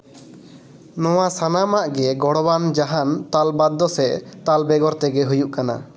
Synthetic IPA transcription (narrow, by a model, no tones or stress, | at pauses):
nɔwasanamaʔɡɛɡɔɽband͡ʒaɦant̪albad̪ːɔsɛʔt̪albɛɡɔɾt̪ɛɡɛɦujuʔkana̰